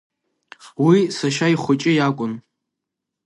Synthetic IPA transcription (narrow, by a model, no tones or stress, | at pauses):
wisaʃaiχʷʊt͡ʃʼɪjakʷʼʊn